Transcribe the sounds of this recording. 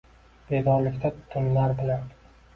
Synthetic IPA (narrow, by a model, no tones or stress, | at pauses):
b̥e̞d̪ɒɾlɪkʲt̪ʰat̪ʰʊnlaɾbɪlan